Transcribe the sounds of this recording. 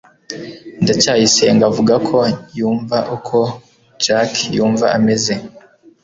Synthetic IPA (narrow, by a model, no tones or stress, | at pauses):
ndacaːjise̞ŋɡavuɡakʰo̞juːɱvaʔukʰo̞ | d͡ʒakjuːɱvaʔame̞ze̞